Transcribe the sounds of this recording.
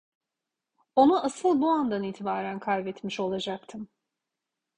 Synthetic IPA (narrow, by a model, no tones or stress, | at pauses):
o̞nuʔasɯlˠbuand̪aniːt̪ʰibaːɾænkʰalvɛt̪miʃo̞lˠad͡ʒakt̪ʰɯm